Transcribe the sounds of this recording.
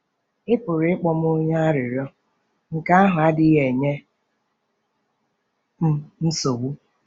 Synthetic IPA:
ɪ˦pʊ˨ɾɪ˨ɪ˦k͡pɔ˨m˦o˦ɲa˦a˦ɾɪ˨ɾɔ˦ | ŋ̩˨ka˦a˦ɦʊ˨a˦dɪ˦ɦe˨ɲe˦ | m̩˦n̩˦so˨wu˦

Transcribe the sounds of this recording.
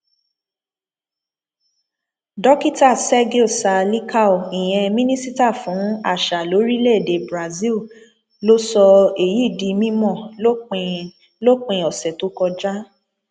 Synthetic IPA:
dɔ˦ki˦˨ta˦˨sɛ˦ɡe˦o˦˨sa˧li˦kʰa˦o˨i˨j̃ɛ̃˧mĩ˦nĩ˦si˦ta˦˨fũ˨˦a̰˦˨ʃa˨lo˨˦ɾi˦le˦˨de˨bɾa˨zi˦l | lo˦sɔ˧e˨ji˨˦˨di˧mĩ˦mɔ̃˦˨˦ | lo˦k͡pẽ˧ɔ˨sɛ˨to˨˦kɔ˧d͡ʒa˦

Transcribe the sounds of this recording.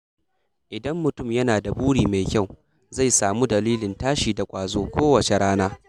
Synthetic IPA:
ʔɪ˨dɐ˦mːʊ˨tʊ˦˨mjɐ˦naː˨da˨buː˦ɽiː˨ma˨jkʲa˦˨w | za˦˨jsaː˨mu˦dɐ˨liː˦lɪ˨ntaː˦ʃiː˨da˨kʷʼaː˨zoː˦kʷoː˦wɐ˨t͡ʃe˨ɽaː˦naː˦

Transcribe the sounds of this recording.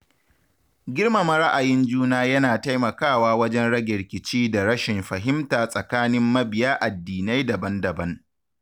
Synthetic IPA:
ɡʲɪ˦rma˨mɐ˨ɾa˦ʔa˨jɪ˦nd͡ʒuː˦naː˦jɐ˦naː˨ta˦jmɐ˨kaː˦˨waː˦wɐ˦d͡ʒɛ˦nɽɐ˦ɡʲɛ˨ɾkʲɪ˨t͡ʃiː˦da˨ɽɐ˦ʃɪ˨mɸɐ˨ɦɪ˦mtaː˨sʼɐ˨kaː˦nɪ˦mːɐ˦bɪ˨jaː˦ʔa˨dːiː˨na˦jdɐ˨bɐ˦ndɐ˨bɐ˦ŋ

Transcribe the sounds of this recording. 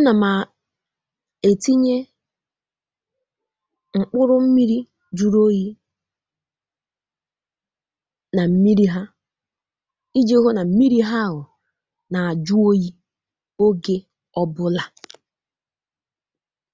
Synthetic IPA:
na˨ma˨ | e˨ti˦ɲe˦ | ŋ͡m̩˨k͡pʊ˦ɾʊ˦m̩˦mi˦ɾi˦ | d͡ʒu˦ɾo˦ji˦ | na˨m̩˦mi˦ɾi˦ɦa˦ | i˦d͡ʒe˦o˦ɦo˦na˨m̩˦mi˦ɾi˦ɦa˦˨ɦʊ˨ | na˨a˨d͡ʒu˦o˦ji˦ | o˦ɡe˦ | ɔ˦bʊ˦la˨

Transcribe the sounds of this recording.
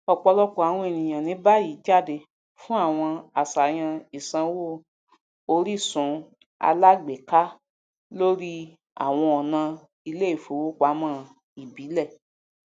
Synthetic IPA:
ɔ˧k͡pɔ˧lɔ˦kɔ˨a˨w̃ɔ̃˧e˨nĩ˨j̃ã˨nĩ˨˦ba˦ji˨˦d͡ʒa˦˨de˧ | fũ˦a˦˨w̃ɔ̃˧a˨sa˨j̃ã˧i˨sã˧wo˦˨ | o˧ɾi˦˨sũ˨˦ | a̰˧la˦ɡ͡be˨ka˦ | lo˦ɾi˦ | a̰˨w̃ɔ̃˧ɔ˨nã˧ | i˧le˦i˦˨fo˨˦wo˦k͡pa˨˦mãː˦˨ | i˨bi˨˦lɛ˦˨

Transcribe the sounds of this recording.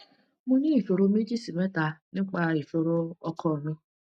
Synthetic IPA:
mʊ̃˦nĩ˦i˨fo˨ɾo˦me˦d͡ʒi˦si˨me˦ta˨nɪ̃˦k͡pa˨i˨fo˨ɾo˦ɔ˦kʰɔ˦˨nʊ̃˦

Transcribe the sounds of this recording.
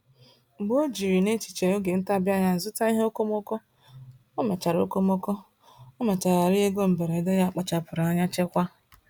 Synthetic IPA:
ɡ͡bo˦d͡ʒi˨ɾi˨ne˦t͡ʃi̥˨t͡ʃe˨o˦ɡe˨n̩˦ta˦˨bja˦ɲa˨zʊ˦ta˦i˦ɦe˦o˦ko˦mo˦kɔ˦ | o˦me˨t͡ʃa˨ɾo̰˦ko˦mo˦kɔ˦ | o˦me˨t͡ʃa˨ɾa˨ɾi˦e˦ɡo˦m̩˨be˨ɾe˨de˦ja˦a˦˨k͡pa˦t͡ʃa˨pʊ˨ɾa˦ɲa˦t͡ʃe˦kʷa˦

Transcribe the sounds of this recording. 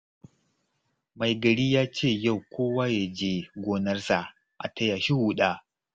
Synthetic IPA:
ma˨jɡɐ˨ɽiː˦jaː˦t͡ʃeː˦˨ja˦˨wkʷʰoː˦waː˦ja˨d͡ʒeː˦ɡʷoː˦nɐ˦rsa˨ʔ | ʔa̰˨tɐ˦jaː˨ʃi˦huː˨ɗaː˦

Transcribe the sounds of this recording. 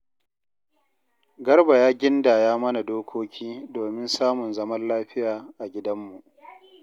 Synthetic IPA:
ɡɐ˦rba˨jaː˦ɡʲɪ˦ndaː˨jaː˦mɐ˦na˨doː˦kʷʰoː˦kʲʰiː˦doː˨mɪ˦nsaː˦mʊ˨nzɐ˦mɐ˦nlaː˦ɸɪ˦jaː˨ʔa˨ɡʲɪ˦dɐ˦mːu˨ʔ

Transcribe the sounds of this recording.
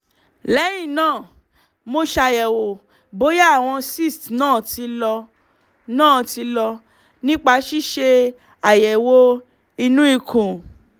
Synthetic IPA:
lɛ˨˦j̃ĩ˦˨nãː˦˨ | mo˧ʃa˧jɛ˨wo˨ | bo˨˦ja˦a˦˨w̃ɔ̃˧si˦˨stnãː˦˨ti˧lɔ˧ | nãː˦˨ti˧lɔ˧ | nĩ˦k͡pa˧ʃi˦˨ʃe˧ | a˨jɛ˨wo˦ | i˧nũ˦i˦˧kʰũ˨

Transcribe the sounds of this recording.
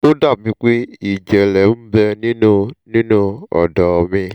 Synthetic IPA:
o˦da˦˨bi˧k͡pe˦i˨d͡ʒɛ˨lɛ˨m̩˦bɛ˧nĩ˦nõ˦nĩ˦nõ˦ɔ̰˨dɔ˨mĩ˧

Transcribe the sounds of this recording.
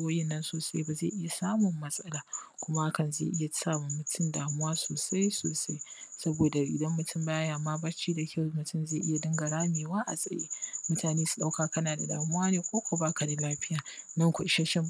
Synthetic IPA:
wɐ˦jɛ˦nːɐ˦nsoː˨sa˦jba˨zḛː˦˨ʔɪ˦ja˨saː˦mʊ˨mːɐ˦sʼɐ˦laː˨kʷʊ˦ma˦ʔa˦kɐ˨nzḛ˨ʔɪ˦ja˨saː˦mʊ˨mːʊ˨tʰʊ˦ndaː˨mʊ˦waː˦soː˨sa˦jsoː˨sa˦jsɐ˦boː˨da˨ʔɪ̰˨dɐ˦mːʊ˨tʰʊ˦mbaː˦jaː˨maː˦bɐ˦t͡ʃiː˦da˨kʲɐ˦˨wmʊ˨tʰʊ˦mzeː˦˨ʔɪ˦ja˨dɐ˦ŋɡa˨ɽaː˦meː˨waː˦ʔa̰˨sʼɐ̰˨jḛː˦mʊ˦taː˨neː˦su̥˨ɗa˦wkaː˨kɐ˦naː˨da̰˨da̰ː˨mʊ˦waː˦neː˨kʷoː˦kʷa˨baː˦ka˨ni˦laː˦ɸɪ˦jaː˨nɐ˦ŋkʷʊ˨ʃɐ˦ʃɪ˦m

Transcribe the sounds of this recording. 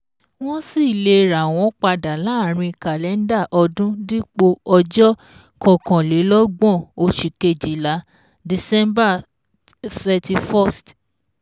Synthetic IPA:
w̃ɔ̃˦si˦˨le˧ɾa˨w̃ɔ̃˦k͡pa˧da˨la˨˦˨ɾ̃ĩ˧i˧ka˨lɛ˨˦n̩˦da˦˨ʔɔ˧dũ˦di˦k͡po˧ɔ˧d͡ʒɔ˦ | kɔ̃˨kɔ̃˨le˨˦lɔ˦ɡ͡bɔ̃˦˨o˧ʃi˨ke˧˨d͡ʒi˨la˨˦ | di˨sɛ˦mba˦˨ | θɛ˧ti˧fɔ˦˨st

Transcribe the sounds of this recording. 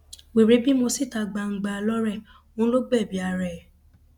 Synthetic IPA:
we˨ɾe˨˦bi˦mõ˧si˦˨ta˧ɡ͡ba˧˨ŋ̩˧ɡ͡ba˧lɔ˦ɾɛ˦˨ | õ˨˦lo˦ɡ͡bɛ˦˨bi˨˦a˧˨ɾɛ˨

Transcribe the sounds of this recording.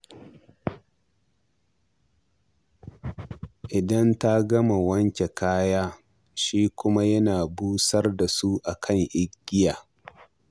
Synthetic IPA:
ʔɪ˨dɐ˦nta˦ɡɐ˦ma˨wɐ˦ŋkʲe˨kaː˦jaː˦ | ʃiː˦kʷʊ˦ma˦jɐ˦naː˨buː˦sɐ˦rda˨su˦ʔa˨kʰɐ˦˨ŋʔɪ˦ɡʲːɪ˦jaː˨

